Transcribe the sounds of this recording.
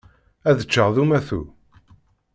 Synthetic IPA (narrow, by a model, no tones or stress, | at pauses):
æðət͡ʃːəʁðumæθṵ